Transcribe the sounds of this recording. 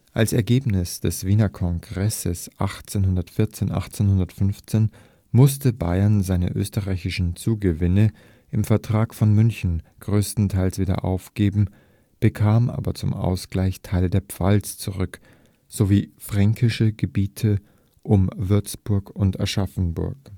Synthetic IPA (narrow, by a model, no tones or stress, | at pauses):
ʔalsɛɐɡeːpnɪsd̥ɛsv̥iːnɐkʰɔŋɡʁɛsəsʔa̰χt͡seːnɦʊndɐtfɪɐt͡seːnʔa̰χt͡seːnhʊndɐtfʏnft͡seːn | mʊstʰəba̰ɪɐnzaɪnə̰ʔø̰ːstəʁaɪçɪʃn̩t͡suːɡəvɪnə | ʔɪmfɛɐtʁ̥aːkfɔnmʏnçn̩ɡ̥ʁøːstn̩tʰaɪlsv̥iːdɐ̰ʔa̰ʊfɡ̥eːbm̩ | b̥əkʰaːmʔa̰ːbɐt͡sʊ̰mʔa̰ʊsɡ̥laɪçtʰaɪlədeːɐpp͡fa̰lst͡suʁʏk | z̥oviːfʁ̥aŋkʰɪʃəɡəbiːtʰə | ʔʊmvɪɐt͡sb̥ʊɐkʊntɛ̰ɐʃafn̩bʊ̰ɐk